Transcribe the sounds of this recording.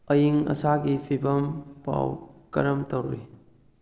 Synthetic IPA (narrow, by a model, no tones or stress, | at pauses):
əjiŋɐ̰saɡipʰibɐmpa̰wkɐ̰ɾɐmtɐwɾḭ